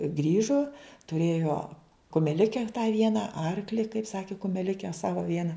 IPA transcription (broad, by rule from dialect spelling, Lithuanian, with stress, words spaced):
ˈɡrʲiːʒoː tʊˈrʲeːjoː kʊmʲɛˈlʲɪkʲɛ tɑː ˈʋʲiɛnɐ ˈɐrklʲɪ kɐɪp ˈsɑːkʲɪ kʊmʲɛˈlʲɪkʲɛ ˈsɑːʋɐ ˈʋʲiɛnɐ